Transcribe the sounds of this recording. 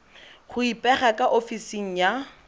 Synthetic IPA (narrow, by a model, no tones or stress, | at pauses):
χʊipʼɛχakʼaʔofisiŋ̩ja